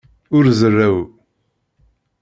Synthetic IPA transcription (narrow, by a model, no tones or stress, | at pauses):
ʊɾzərːæw